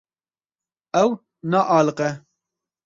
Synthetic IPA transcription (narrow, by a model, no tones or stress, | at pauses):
ɛw | nɑːʔɑːlɨqɛ